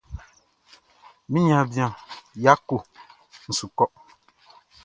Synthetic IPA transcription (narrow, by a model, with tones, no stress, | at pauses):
mĩ˦ɲã˨bĩ˦ã˨ja˦ko˨ | n̩˨su˨kɔ˦